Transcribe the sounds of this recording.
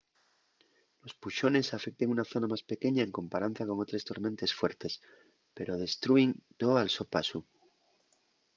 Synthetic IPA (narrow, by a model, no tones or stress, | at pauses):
lo̞spuʃo̞ne̞safe̞k̚t̪eŋunaθo̞namaspe̞ke̞ɲaeŋko̞mpaɾan̟θjako̞ŋo̞t̪ɾe̞st̪o̞ɾmẽ̞nt̪e̞sfwe̞ɾt̪e̞s | pe̞ɾo̞ðe̞st̪ɾuint̪oalso̞pasu